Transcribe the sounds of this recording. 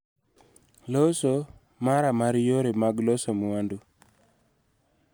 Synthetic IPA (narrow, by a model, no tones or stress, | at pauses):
loso | maɾamaɾjoɾemaɡlosomʊandu